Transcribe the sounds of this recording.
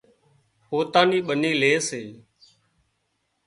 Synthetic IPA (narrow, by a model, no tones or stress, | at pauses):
hoːt̪ãːniːɓəniːleːseː